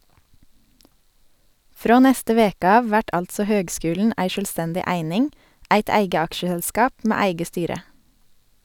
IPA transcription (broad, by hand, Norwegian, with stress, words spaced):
ˈfɾoː ˈnɛstə ˈʋeːkə ˈɑːʋ ˈʋæʈ ˈɑltsɔ ˈhøːɡˌskʉːln̩ ˈæɪ ˌʃœlˈstɛndɪ ˈæɪnɪŋ ˈæɪt ˈæɪɡə ˈɑkʃəhɛlˌskɑːp ˈmeː ˈæɪɡə ˈstyːɾə